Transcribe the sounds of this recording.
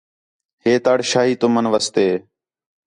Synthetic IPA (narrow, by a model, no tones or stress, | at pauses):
heːt̪aːɽʃaːɦiːt̪ʊmənʋəst̪eː